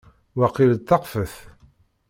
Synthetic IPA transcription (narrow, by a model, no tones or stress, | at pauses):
wɑqːilt̪ːɑqfəθ